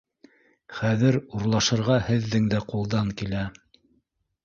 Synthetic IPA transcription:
χæðɘɾuɾlˠɑʃɤ̆ɾʁɑhɘ̆ðːɘŋd̪æqulˠd̪ɑŋkilæ

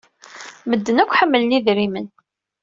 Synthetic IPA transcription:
məd̪ːənækʷːħəmːələniðɾimən

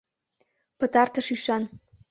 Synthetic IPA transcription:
pə̆t̪ɑrt̪ə̆ʃyʃɑn

